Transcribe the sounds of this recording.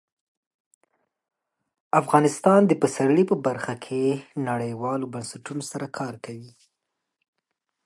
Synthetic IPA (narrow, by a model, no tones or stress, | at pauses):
afɣɑnɪst̪ɑnd̪əpəsaɽəɽipəbaɾxakʰenaɽəjwɑlobansaʈunosaɾakʰɑɾkawi